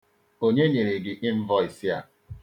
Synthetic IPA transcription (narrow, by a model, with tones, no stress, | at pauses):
o˦ɲe˦ɲe˨ɾe˨ɡɪ˨ʔɪ˦m̩˦vɔ˦i˨si˦a̰˦